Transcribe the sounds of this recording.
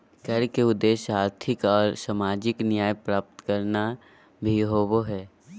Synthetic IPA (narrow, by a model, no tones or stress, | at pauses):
kɐɾkeʊd̪ːeːʃaːɾt̪ʰɪkɔːɾsaːmaːd͡ʒɪknɪjaːjpɾaːp̚t̪kəɾna | bʱiɦoːboɦɛː